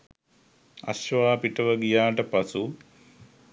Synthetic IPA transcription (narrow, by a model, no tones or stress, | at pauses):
ɐ̰ɕʋaːpiʈɐʋəɡijaːʈəpɐsu